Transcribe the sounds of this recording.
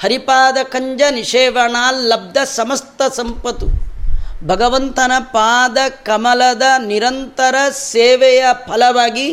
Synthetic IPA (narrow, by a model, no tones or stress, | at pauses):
hɐɾipaːd̪ɐkɐɲd͡ʒɐniʂeːʋɐɳaːlːɐb̚d̪ʱɐsɐmɐst̪ɐsɐmpɐt̪u | bʱɐɡɐʋɐnt̪ɐnɐpaːd̪ɐkɐmɐlɐd̪ɐniɾɐnt̪ɐɾɐseːʋɛjɐpʰɐlɐʋaːɡi